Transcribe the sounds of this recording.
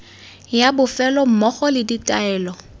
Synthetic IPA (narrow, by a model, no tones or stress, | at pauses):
jabʊfɛlɔm̩mɔχɔlɪditʼaɛːlɔ